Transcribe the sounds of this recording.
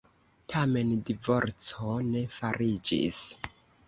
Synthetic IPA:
tʰame̞ndivo̞ɾt͡sone̞faɾid͡ʒḭs

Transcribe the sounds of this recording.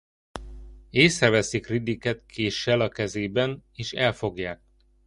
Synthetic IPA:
eːsrɛvɛsikrid̪ikɛt̪kʰeːʃːɛlɒkɛzeːbɛneːʃɛlfo̞ɡjaːk̚

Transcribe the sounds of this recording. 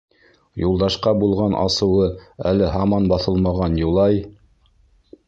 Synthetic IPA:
julˠd̪ɑʃqɑbulˠʁɑnʔɑ̰sɤ̆wɤælɘɦɑmɑnbɑθɤlˠmɑʁɑnjulˠɑj

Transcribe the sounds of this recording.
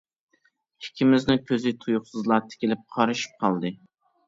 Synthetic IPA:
hɪ̥kʲʰimɪznɪkʲʰøzɪt̪ʰujʊχsɨzlˠɑt̪ʰɪ̥kʲɪlɪp̚qʰɑɾɨʃi̥p̚qʰɑlˠd̪ɨ

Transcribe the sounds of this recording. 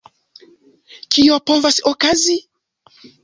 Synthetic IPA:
kiopovasokazi

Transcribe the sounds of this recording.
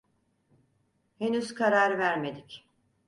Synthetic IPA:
henyzkʰaɾaɾvæɾme̞d̪ic

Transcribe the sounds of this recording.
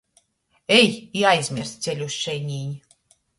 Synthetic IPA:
ɛjiajzʲmʲiɾst̪t̪sʲelʲusʃɛjɲʲiːɲʲ

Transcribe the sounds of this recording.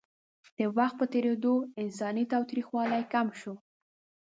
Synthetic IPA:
d̪̥əwaxt̪̚pət̪eɾed̪oɪnsɑnit̪ɑwt̪ɾixwɑlajkamʃo

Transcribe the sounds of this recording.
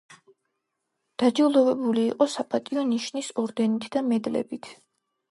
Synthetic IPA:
d̪̥ad͡ʒilˠɔvɛbuliːqʼɔsapʼat̪ʼiɔniʃnisɔɾd̪ɛnit̪ʰd̪amɛd̪lɛ̰bit̪ʰ

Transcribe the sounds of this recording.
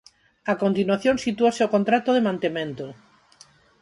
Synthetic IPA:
akont̪inwaθjõŋsit̪uoseokont̪ɾat̪oðemãnt̪emẽnt̪o

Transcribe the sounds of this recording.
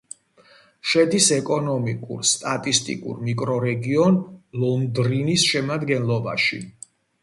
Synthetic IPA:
ʃɛd̪isɛkʼɔnɔmikʼṵɾst̪ʼat̪ʼist̪ʼḭkʼṵɾmikʼɾɔɾɛɡiɔnlɔnd̪ɾinisʃɛmad̪ɡɛnlˠɔba̰ʃḭ

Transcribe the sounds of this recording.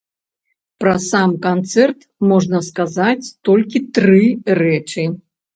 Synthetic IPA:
pɾɐsamkant̪sɛrt̪ | mɔʐnɐskazat͡sʲt̪ɔlʲkʲit̪ɾɨrɛt͡ʂɨ

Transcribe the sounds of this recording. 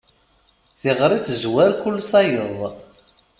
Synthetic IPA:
θiʁɾˤiθzwæɾkʊlːsɑjəðˤ

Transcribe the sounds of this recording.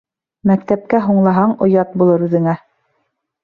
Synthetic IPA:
mækt̪æp̚kæɦuɴlˠɑɦɑɴŏjɑt̪̚bulˠɤɾʉðɘ̆ŋæ

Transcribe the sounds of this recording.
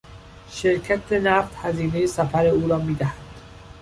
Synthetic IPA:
ʃeɾcʰæt̪ʰenæft̪hæziːnejesæfæɾeuːɾɒːmiːd̪æhæd̪̥

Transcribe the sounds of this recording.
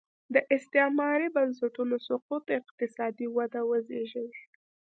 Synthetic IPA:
d̪əʔɪst̪ɪhmɑɾibans̬ɪʈunosʊqut̪ɪqt̪ɪsɑd̪iwad̪awəzeʒəwe

